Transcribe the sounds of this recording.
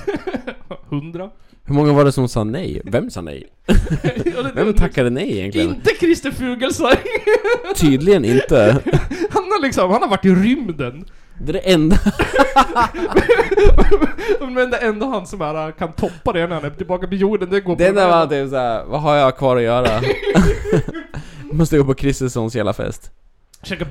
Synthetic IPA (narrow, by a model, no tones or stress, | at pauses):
hɵnd̪ɾa | hɵɾmɔŋːavaɖɛsɔmsɑ̰ːnɛ̰jvɛmsɑ̰ːnɛ̰j | ɑd̪ɛvɛmt̪ʰaktːad̪ənɛjɛjɛ̰ŋklɪənnt̪əkʰɾɪst̪ɪfʉ̟ːɡəlsa | t̪ʰyːd̪lɪɡənɪ̰nt̪əhanalɪksɔmhanhaɾvaʈːɪɾʏmd̪ən | d̪d̪ɛʔɛnd̪a | m | mɛnd̪ɛɛnd̪aɦansɔmhæːɾakʰant̪ʰɔpːad̪ɛhɳæɾhanɛt̪ɪlbɑːkapɔjuːɖənd̪ɛɡoːd̪ɛɛnævaat̪̚d̪ɛɛsaævaɦaɾjakʰvɑːɾɔjœːɾa | mɔst̪əɡoːpɔkʰɾɪst̪əsɔnsjɛ̰la̰fɛ̰st̪ | ʃɛːkːa